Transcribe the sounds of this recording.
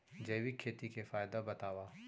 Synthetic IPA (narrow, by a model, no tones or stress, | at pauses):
d͡ʒɐjwikʰːeːt̪ikefaːɪd̪abɐt̪aːwaː